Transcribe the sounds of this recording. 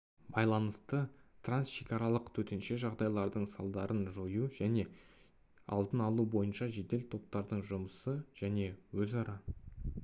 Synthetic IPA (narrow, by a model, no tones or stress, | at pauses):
bɑjlˠɑnəst̪ət̪ransʃe̞kʲɑɾɑlˠəqt̪ʰɵt̪e̞nʃe̞ʒɑʁd̪ɑjlˠɑɾd̪əɴsɑlˠd̪ɑɾʔənʒojuʒæne̞ | ɑ̰lˠd̪ənɑlˠubo̞jənʃɑʒe̞d̪e̞lt̪ʰo̞p̚t̪ɑɾd̪əɴʒʊməsəʒ̥æne̞wɵzɑɾɑ